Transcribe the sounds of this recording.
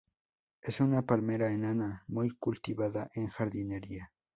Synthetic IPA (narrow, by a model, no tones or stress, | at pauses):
esunapalmeɾaenanamʊjkʊlt̪iβaðaʔeŋxaɾd̪ineɾia